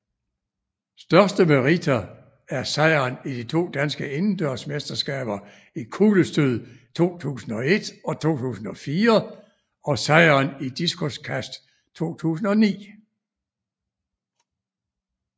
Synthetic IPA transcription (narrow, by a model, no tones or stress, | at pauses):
sd̥ɶɐsd̥əmeʁit͡sʰæ | æɐsɑɪɐːnid̥it͡sʰo̝̰ːd̥ænsɡ̥əenn̩d̥øɐsmesd̥ɐsɡ̥ɛ̰ːb̥ɐ | ikʰuləsd̥øð̰ˠt͡sʰo̝̰ːt͡sʰṵːsn̩ɒ̽e̝d̥ɒ̽t͡sʰo̝̰ːt͡sʰṵːsn̩ɒ̽fiːɐ | ɒ̽sɑ̈ɪɐnid̥isɡʰoskʰæsd̥ | t͡sʰo̝̰ːt͡sʰṵːs̬n̩ɒ̽nḭː